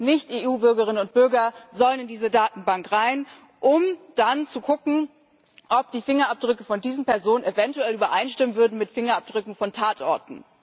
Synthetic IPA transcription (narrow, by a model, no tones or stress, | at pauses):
nɪçtʔeːuːbʏɐɡəʁɪnənʊnt̚b̥ʏɐɡɐzɔlənɪndiːzədaːtn̩baŋkʁaɪn | ʔʊmd̥ant͡suɡʊkŋ̩ | ʔɔp̚d̥iːfɪŋɐʔap̚d̥ʁʏkəfɔndiːzn̩pɛɐzoːnənevɛntuɛlyːbɐʔaɪnʃtɪmənvʏɐdn̩mɪtfɪŋɐap̚d̥ʁʏkŋ̩fɔntʰaːtʔɔɐtn̩